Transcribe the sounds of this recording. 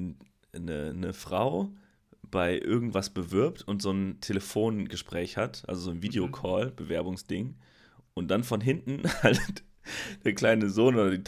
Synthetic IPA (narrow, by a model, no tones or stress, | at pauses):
nə̰nəfʁ̥a̰ʊ | b̥aɪʔɪɐɡŋ̩tv̥asb̥əvɪɐptʊntz̥oːntʰeləfoːnɡəʃpʁ̥ɛːçhatʔa̰lzozoːnviːdeokʰɔːlb̥əvɛɐbʊŋsd̥ɪŋ | ʔʊnt̚d̥anfɔnɦɪntn̩halt | d̥eːɐkl̥aɪnəzoːnʔoːdɐdiːt